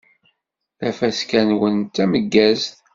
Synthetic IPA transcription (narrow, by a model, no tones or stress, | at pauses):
θæfæskænwənt̪ːæməɡːæzθ